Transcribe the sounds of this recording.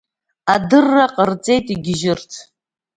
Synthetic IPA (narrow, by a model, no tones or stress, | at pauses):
adɨrːaqʼərt͡sʼe̞jtʼiɡʲɪʒɪrtʰ